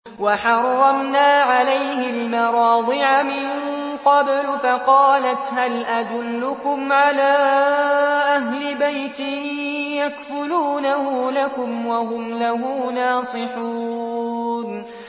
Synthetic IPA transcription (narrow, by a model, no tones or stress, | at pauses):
waħɑrˤːɑmnaːʕalajhɪlmɑɾˤɑːd̪ˤɨʕamɪn | qɑblfaqɑːlat̪halʔad̪ʊlːʊkʊmʕalaː | ʔaɦlɪbajt̪ɪjakfʊluːnahʊlakʊmwaɦʊmlaɦuːnaːsˤɨħuː | n